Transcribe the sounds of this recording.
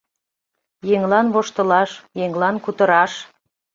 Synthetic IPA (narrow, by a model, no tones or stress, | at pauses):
jeŋlɑnβoʃt̪ə̆lɑʃjeŋlɑnkut̪ə̆ɾɑʃ